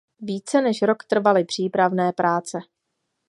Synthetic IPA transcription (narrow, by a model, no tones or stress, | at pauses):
viːt͡sɛnɛʃɾo̞kt̪r̩valɪpr̝̥iːpɾavnɛːpɾʔaːt͡sɛ